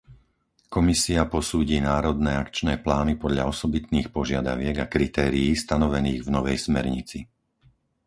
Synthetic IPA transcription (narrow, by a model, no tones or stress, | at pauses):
kɔmisiapɔsuːɟiːnaːɾɔd̪nɛːakt͡ʃnɛːplaːnipɔd̪ʎa̰ɔsɔbit̪niːxpɔʒɪad̪a̰ʋɪɛɡakɾit̪ɛːɾiːst̪anɔʋɛniːɣvnɔʋɛjsmɛɾɲit͡si